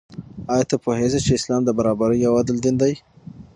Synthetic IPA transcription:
ɑjɑt̪apohezet͡ʃeɪslɑmd̪əbaɾɑbaɾəjawad̪ɪld̪ɪnd̪aj

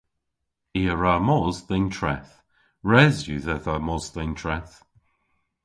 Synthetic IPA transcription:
iːəɹamɔzðɪntʰɹɛθ | ɹɛzjuðɛðamɔzðɪntʰɹɛθ

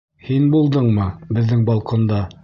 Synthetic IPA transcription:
hinbulˠd̪ɤɴmɤbɘ̆ðːɘŋbɒlˠqond̪ɑ

